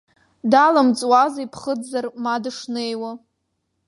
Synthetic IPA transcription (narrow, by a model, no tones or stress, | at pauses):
dalamt͡sʼwazaipʰχəd͡zarmadɨʂnejwa